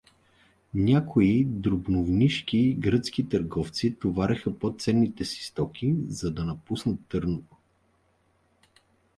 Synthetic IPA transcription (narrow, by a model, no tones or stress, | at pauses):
nʲakʰoid̪ɾʊbnovniʃkiɡɾət̪skit̪əɾɡɔft̪sit̪ovaɾɛxəpɔt̪sɛnːit̪ɛsi̥st̪ɔkʰʲizɐd̪ɐnɐpusnət̪ːɤɾnot̪o̥